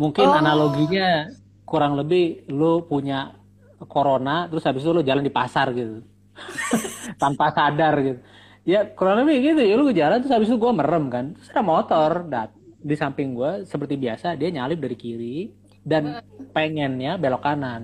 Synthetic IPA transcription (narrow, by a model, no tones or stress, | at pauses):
muŋkɪnanaloɡiɲa | kuɾaŋləbɪhlopuɲa | koɾonat̪əɾʊshabɪst̪ulʊd͡ʒalandipasarɡit̪u | t̪ampasadarɡit̪u | jakuɾaŋləbɪhɡit̪ujaluɡad͡ʒalant̪ɾʊshabɪset̪uɡuamərəmkant̪ɾʊsadamot̪ɔrdat̪̚disampɪŋɡuasəpərt̪ibiasadiaɲalɪp̚daɾikiɾi | danpeŋɛnɲabelokanan